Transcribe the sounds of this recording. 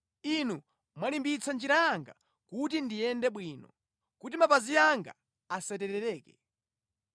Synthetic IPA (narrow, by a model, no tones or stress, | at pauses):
inu | mwalimbit͡sʰand͡ʒiɾaaŋɡa̰ | kut̬indijɛndɛɓwiːnɔ̰ | kutimapazijaŋɡa̰ | asɛtɛɾɛɾɛːkɛ